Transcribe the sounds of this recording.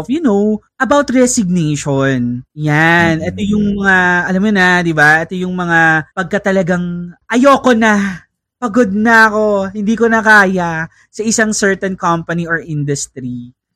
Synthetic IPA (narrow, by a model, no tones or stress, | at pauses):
fjʊnowʔɐbawt̪ɹɛsɪɡ̚nejʃonjanɛt̪ojʊŋmɐŋaʔɐlamːonɐd̪ɪbaʔɛt̪ojʊŋmɐŋapɐɡ̚kɐt̪ɐlɐɡaŋʔɐjokonɐ | pɐɡod̪̚nɐɐko̞hɪnd̪iːkonɐkaːja | sɐʔɪsaŋsɛɹt̪ɛnkɐmpɐniʔoɹʔɪnd̪ʊst̪ɾi